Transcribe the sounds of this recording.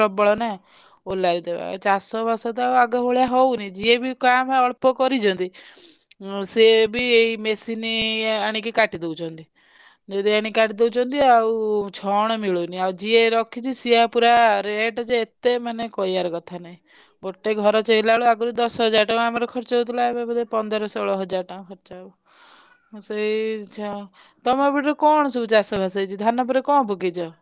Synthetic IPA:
ɔbɔɭɔna | olaɾid̪eba̰t͡ʃasɔbasɔt̪̬ɔauaɡɔɦoɭjaɦownid͡ʒiebikameɔɭpɔkɔɾid͡ʒʰɔnt̪i | sebʱieimesiniaɽ̃ikikaʈid̪ewt͡ʃʰɔnt̪i | d͡ʒed̪iaɽ̃ikaʈid̪ewt͡ʃʰɔnt̪iaut͡ʃʰɔɽ̃ɔmiɭuniad͡ʒieɾɔkʰit͡ʃʰisiapuɾaɾeʈɔd͡ʒeet̪emanekɔiaɾkɔt̪ʰanaɦĩ | ɡoʈːeɡʱɔɾɔt͡ʃɔɦilaɭuaɡɔɾud̪ɔsɦɔd͡ʒaɾʈãamaɾɔkʰɔɾt͡ʃɔut̪ʰilaebebɔd̪epɔnd̪ɔɾɔsɔɭɔɦɔd͡ʒaɾʈaũkʰɔɾt͡ʃau | seit͡ʃʰɔ | t̪ɔmɔbiʈɾɔkɔɽ̃ɔsut͡ʃasɔbʱasəit͡ʃʰid̪ʱanɔp̬uɾekɔ̃ːbʱuɡid͡ʒɔ

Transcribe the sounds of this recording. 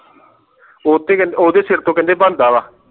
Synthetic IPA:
oːt̪eːkɛ̃nd̪eoːd̪eːsɪɾt̪õːkɛ̃ːnd̪eːbə̃nd̪aːʋaː

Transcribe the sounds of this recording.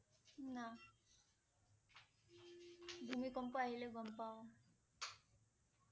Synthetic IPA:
na | bʱumikɔmpɔaɦileɡɔmpa

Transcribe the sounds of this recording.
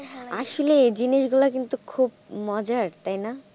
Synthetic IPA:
aʃoled͡ʑiniʃɡulakint̪ukʰub̚mɔd͡ʑaɾt̪ajna

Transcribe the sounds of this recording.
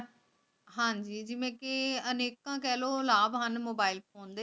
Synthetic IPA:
ɦãːɲd͡ʒiːd͡ʒɪʋẽkɪəneːkːãːk̬ɛːloːlaːbɦənmoːbaːɪlpʰoːnd̪eː

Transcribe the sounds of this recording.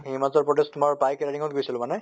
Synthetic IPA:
imazɔɹpɹɔtɛstmɔɹbajkɛɹaɾiŋɔt̚ɡojsilʊ̃manɛ

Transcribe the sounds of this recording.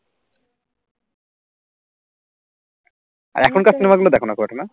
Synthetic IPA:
a̰ɾɛkʰonkasʰinəmaɡulod̪ɛkʰonakɔaʈʰana

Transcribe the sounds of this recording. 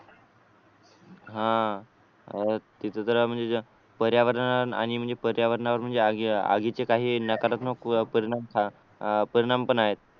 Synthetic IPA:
ɦã | t̪it̪ʰət̪əɾm̤əɳd͡ze | pəɾjaʋəɾnaəɾa̰ɽ̃im̤əɳd͡zepəɾjaʋəɾɳaʋəɾm̤əɳd͡zeaa̰ɡit͡sekaɦiːnːakəɾət̪nokpəɾiɽ̃amkʰa | pəɾiɽ̃ampəɳaɦet̪̚

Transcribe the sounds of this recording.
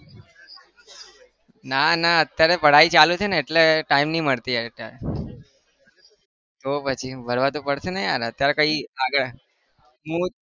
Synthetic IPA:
nanaət̪jaɾepəɽ̤ait͡ʃalut͡ʃʰeneːʈleʈaimnĩməɭt̪iaʈa̰ | t̪opət͡ʃʰibʱəɾʋat̪opəɽʃenejaɾət̪jaɾekəiaɡəɭ | mũ

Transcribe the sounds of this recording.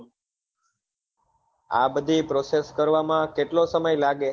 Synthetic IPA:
a̰bəd̪ʱipɾoseskəɾʋamãkeʈlosəməjlaɡe

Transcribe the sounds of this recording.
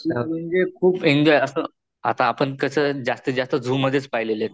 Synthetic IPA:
iam̤əɳd͡zekʰuːpend͡ʑɔjəsə | at̪aːpəɳkəsəd͡ʑast̪əd͡ʑast̪əd͡zʱuːməd̪ʱːjet͡spajlelet̪

